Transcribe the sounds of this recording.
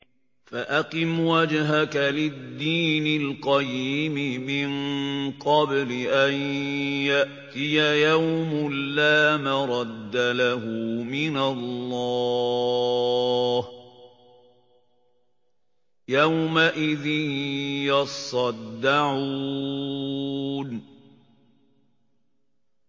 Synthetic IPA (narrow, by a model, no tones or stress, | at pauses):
faʔaqɨmwad͡ʒɦakalɪd̪ːiːnɪlqɑjiːmɪmɪnqɑblɪʔanjaʔt̪ɪjajawmʊlːaːmaɾˤɑd̪ːalaɦʊmɪnalːɑː | h | jawmaʔɪðɪnjɑsˤɑd̪ːaʕuː | n